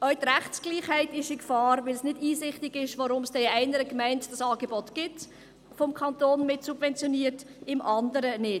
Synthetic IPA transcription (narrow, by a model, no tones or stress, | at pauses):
œɥt̪ɾæχsɡ̥liːχhæɪtɪʃɪkfɑːɾʋɪlsnɪdiːsɪχtɪɡ̥ɪʃʋoɾʊmsd̥ɛɪæɪnəɾəkmæɪntd̥ɑsɑːɡebɔtɡ̥ɪt | fɔmkʰɑntoːnmɪtsub̥vɛnt͡sjoniːətɪmʔɑndəɾənɪ